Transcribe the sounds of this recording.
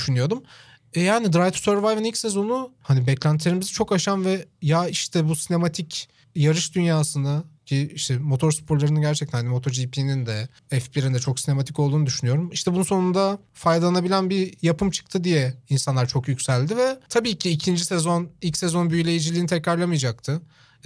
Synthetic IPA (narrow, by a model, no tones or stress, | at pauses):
d̪yʃynyjo̞d̪um | jaːnid̪ɾajt̪ʰu̥søɾvajvɛnilʲcʲsɛzo̞nuhanibɛclʲænt̪ʰilʲeɾimizɛt͡ʃʰo̞kaʃamvɛjaiʃt̪ʰɛbusine̞mat̪ʰic | jaɾɯʃd̪ynjaːsɯnɯcʰiiʃt̪ʰɛmo̞t̪ʰo̞ɾspʰoɾlˠaɾɯnɯɟæɾt͡ʃʰɛc̪̚ʰænhanimo̞t̪ʰo̞ɾd͡ʒipʰinind̪ɛ | ɛfbiɾind̪ɛt͡ʃʰo̞ksine̞mat̪ʰikolˠd̪uːud̪yʃynyjo̞ɾumiʃt̪ʰɛbununso̞nund̪a | fajd̪alˠanabilʲænbiɾjapʰɯmt͡ʃʰɯ̥k̚t̪ʰɯd̪ijɛinsanlˠaɾt͡ʃʰo̞kjycsælʲd̪ivɛt̪ʰabiːcʰiːcʰind͡ʒisɛzo̞nilʲcʲsɛzo̞nbyjlʲe̞jid͡ʒilʲiːnit̪ʰɛcɾaɾlˠamɯjad͡ʒak̚t̪ʰɯ